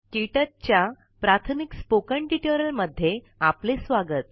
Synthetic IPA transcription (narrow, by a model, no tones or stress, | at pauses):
ʈiʈət̪̚t͡ɕja | pɾat̪ʰəmikspokəɳʈiʈəɾəlməd̪ʱːje | aplesʋaɡət̪̚